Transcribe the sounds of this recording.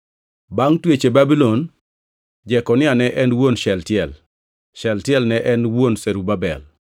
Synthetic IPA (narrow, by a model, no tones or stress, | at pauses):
baŋtwet͡ʃebabilɔn | d͡ʒɛkɔnɪanɛʔɛnwonʃɛltjɛl | ʃɛltjɛlnɛʔɛnwonseɾubabɛ̰l